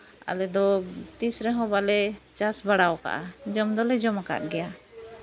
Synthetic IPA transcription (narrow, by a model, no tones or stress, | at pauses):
a̰lɛd̪ɔt̪isɾɛɦɔ̃balɛt͡ʃasbaɽawka̰ʔa̰d͡ʒɔmd̪ɔlɛd͡ʒɔmaka̰ʔ̪ɡɛja